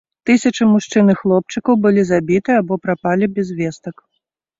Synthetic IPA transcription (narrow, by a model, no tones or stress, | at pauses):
t̪ɨsʲɐt͡ʂɨmuʂt͡ʂɨnɨxlˠɔp̚t͡ʂɨkɐwbɨlʲizabʲit̪ɨabɔpɾapalʲibʲɛzvʲɛst̪ɐk